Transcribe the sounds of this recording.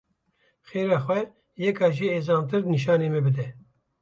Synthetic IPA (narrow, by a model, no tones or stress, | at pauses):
xeːɾɑːxwɛ | jɛkɑːʒiːeːzɑːnt̪ɨɾniʃ̬ɑːneːmɛbɨd̪ɛ